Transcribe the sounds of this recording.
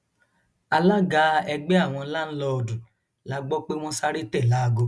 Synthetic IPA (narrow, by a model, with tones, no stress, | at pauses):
a˧la˦ɡa˧˦ɛ˧ɡ͡bɛ˦a˦˨w̃ɔ̃˧la˦n̩˦lɔ˧ɔ˧dũ˨ | la˨˦ɡ͡bɔ˦k͡pe˦w̃ɔ̃˦sa˦ɾe˦tɛ˦˨la˨˦˨ɡo˧˦